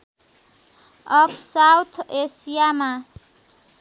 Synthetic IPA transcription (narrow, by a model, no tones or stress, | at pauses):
ʌpʰsawt̪ʰesijama